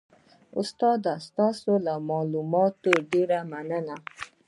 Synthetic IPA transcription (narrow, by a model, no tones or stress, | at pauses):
ʊ̰st̪ɑd̪ast̪ɑsolamɑlumɑt̪oɖeɾamanəna